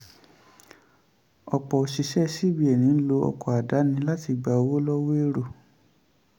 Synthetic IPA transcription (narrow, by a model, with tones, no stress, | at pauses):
ɔ˨k͡pɔ˨o˨ʃi˧˦ʃɛ˦si˦˨bi˧˦ɛ˨nĩ˨˦n̩˦lo˧ɔ̰˧kɔ˨a˨da˨˦nĩ˧˦la˦ti˧ɡ͡ba˨o˧wo˦lɔ˦we˦ɾo˦˨